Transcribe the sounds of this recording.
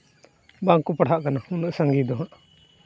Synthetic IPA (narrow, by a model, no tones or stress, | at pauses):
baŋkupaɽ̤ɦaʔkanahunuʔsaŋɡid̪ɔɦãʔ